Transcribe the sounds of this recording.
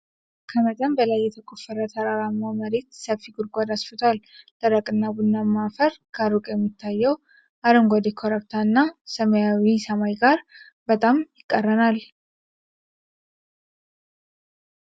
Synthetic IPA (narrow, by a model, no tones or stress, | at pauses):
kʰəmət̪ʼəmbəlajːɛt̪ʰəkʼofːəɾət̪ʰɐɾaɾamːaməɾet̪səbfːiɡʊɾɡʷad̪asfɨt̪ʰald̪̥ʼəɾəkʼɨnːabʊnːamːafəɾkʰaɾukʼjɛmːit̪ʰːajːɛw | ʔaɾəmɡɔd̪ekʰoɾəbt̪ʰaɨnːasəməjawisɐmajɡaɾ | bət̪ʼamjɪkʼːərːənal